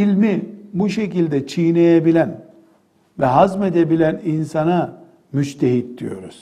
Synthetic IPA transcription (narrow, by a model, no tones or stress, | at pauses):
ilʲmibuʃe̞cilʲd̪ɛt͡ʃʰijnejebilʲæn | vɛɦazmed̪ebilʲæninsana | myd͡ʒt̪ʰeɦit̪̚d̪ijo̞̰ɾuz̥